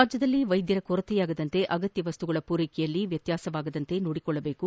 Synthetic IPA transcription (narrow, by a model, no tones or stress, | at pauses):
aːd͡ʒjɐd̪ɐlːiʋɐjd̪jɐɾɐkoɾɐt̪ɛjaːɡɐd̪ɐnt̪e̞ʔɐɡɐt̪jɐʋɐst̪uɡɐɭɐpuːɾeːkɛjɐlːiʋjɐt̪jaːsɐʋaːɡɐd̪ɐnt̪e̞noːɽikɔɭːɐbeːku